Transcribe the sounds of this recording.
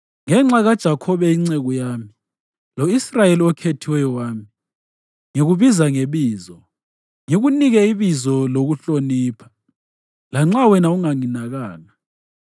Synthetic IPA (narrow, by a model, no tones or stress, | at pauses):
ŋɛŋ͡ǁaɣad̥ʒ̥ʱakʰɔβɛiŋ͡ǀɛɣujaːmi | loisrajeliɔkʰetʰiwɛjɔwaːmi | ŋiɣuβizaŋeβiːzɔ | ŋiɣuniɣɛiβizɔloɣuɬoniːpʰḁ | laŋ͡ǁawɛnauŋaŋinaɣaːŋa